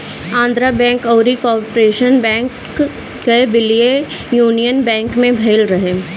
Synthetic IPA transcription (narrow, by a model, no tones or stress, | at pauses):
ãːnd̪ɾabɛ̃ːŋkɔːɾikɔːɾpɾeːʃənbɛ̃ːŋkː | ebɪlie | juːnijənbɛ̃ːŋkmẽbʱɐɪlɾɐɦeː